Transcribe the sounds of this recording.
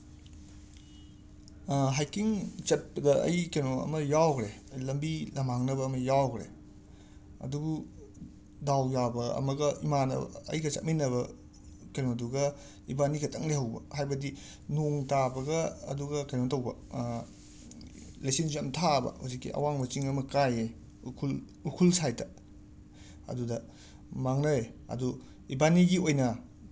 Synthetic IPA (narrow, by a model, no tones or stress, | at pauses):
ɦajkiŋt͡ʃɐt̚bɐdɐɐ̰jkenoɐ̰mɐjawkɾeɐjlɐmbilɐmaŋnɐbɐːmɐjawkɾḛ | ɐ̰dubu | dawjabɐɐ̰mɐɡɐʔimanɐ̰ɐ̰jɡɐt͡ʃɐ̰t̚minːɐβɐ | kenoduɡɐ | ibaniɡɐtʰɐŋlehɐwbɐ̰hajbɐdi | noŋtabɐɡɐɐ̰duɡɐkajnontɐwbɐ | lesensɐmtʰabɐ̰ho̰wsikːḭʔɐ̰waŋmɐt͡ʃiŋɐmɐkaje | ukʰul | ukʰulsajtɐ | ɐ̰dudɐ | maŋnɐjɐ̰du | ibaniɡiojnɐ